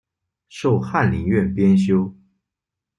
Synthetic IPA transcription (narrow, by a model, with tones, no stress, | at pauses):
ʂo˥˧ʊxa˥˩nli˧˥ŋɥɛ˥˨˩npjɛ˥nɕjo˥ʊ